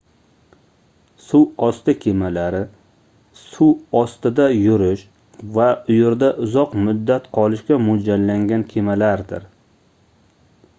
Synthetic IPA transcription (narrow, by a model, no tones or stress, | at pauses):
suwɒst̪ɪkʲʰemalaɾɪ | suwɒst̪ɪd̪ajʊɾɪʃ | vaʊjeɾd̪aʔʊzɒqmʊd̪ːat̪qʰɒlɪʃkʲamʊd͡ʒalːaŋɡʲankʲʰemalaɾd̪ɪ̰ɾ